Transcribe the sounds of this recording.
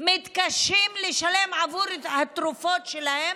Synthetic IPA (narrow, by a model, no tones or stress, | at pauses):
mit̪kaʃimleʃalemʕavuɾhat̪ɾufot̪ʃelahem